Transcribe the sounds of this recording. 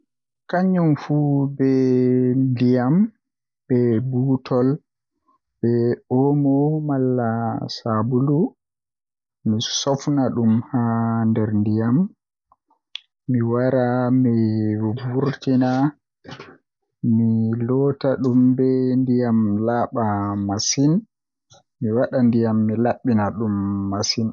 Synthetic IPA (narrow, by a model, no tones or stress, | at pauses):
kaɲːumfubɛ | ndijam | b̥ɛbuːtʰɔl | b̥ɛɔmɔmalːasabulu | misɔfnaɗumhandɛɾndijam | iwaɾamibuɾtina | milɔtaɗumbɛndijamlaːɓamasin | miwaɗandijamːilaɓːinaɗumːasin